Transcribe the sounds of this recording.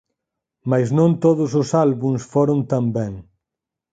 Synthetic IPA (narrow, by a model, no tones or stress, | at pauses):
majsnõnt̪oðʊs̬ʊsalβuŋsfoɾʊnt̪ambɛ̃ŋ